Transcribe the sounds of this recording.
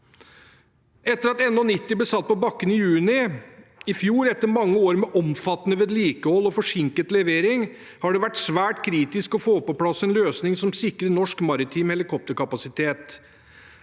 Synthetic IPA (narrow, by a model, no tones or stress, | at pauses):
ɛt̪ːəɾɑt̪ɛnːɔnɪt̪ːɪblɛsɑt̪̚ːpɔbɑkːənɪjʉːnɪ | ɪfjuːɾɛt̪ːəɾmɑŋːəoːɾmɛʔɔmfɑt̪ːənəʋeːd̪liːkəhɔlːɔfɔʂɪŋkət̪lɛʋeːɾɪŋ | hɑɖɛʋæʈsʋæːʈkʰɾiːt̪ɪskɔfoːpɔpʰlɑsːɛnløːsnɪŋsɔmsɪkɾənɔʂkmɑɾɪt̪ʰiːmhɛlɪkʰɔp̚t̪əɾkʰɑpɑsɪt̪ʰeːt̪